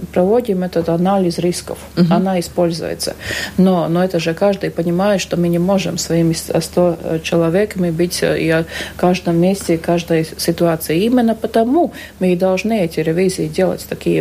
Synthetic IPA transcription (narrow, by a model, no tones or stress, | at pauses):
pɾɐvo̞dʲɪmɛt̪ət̪ɐnalʲɪzɾʲiskə̰fɐnaɪspo̞lʲzʊ̰jɪ̰t̪sə̰nonoɛt̪əʐɨkaʐd̪ɨjpənʲɪmajɪt̪ʂt̪omɨnʲɪmo̞ʐɨmsvɐimʲɪsst̪ot͡ɕɪlˠɐvʲekəmʲɪbɨtʲḭɐkaʐd̪əmːʲesʲtʲɪkaʐd̪əjsʲɪt̪ʊat̪sɨjɪimʲɪnːəpət̪ɐmu | mɨɪd̪ɐlˠʐnɨɛtʲɪɾʲɪvʲizʲɪɪdʲelˠə̰tʲt̪ɐkʲijə